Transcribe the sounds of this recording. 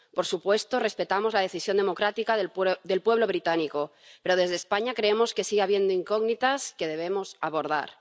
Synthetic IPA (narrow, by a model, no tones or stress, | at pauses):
po̞ɾsupwe̞st̪ore̞spe̞t̪amozlað̞e̞θisjond̪e̞mo̞kɾat̪ikaðd̪e̞lpwe̞β̞lo̞β̞ɾit̪aniko̞pe̞ɾoð̞e̞zðeːspaɲakɾeemo̞ske̞siɣaβ̞je̞nd̪oiŋkoɣnit̪aske̞ð̞e̞βemo̞saβo̞ɾða̰ɾ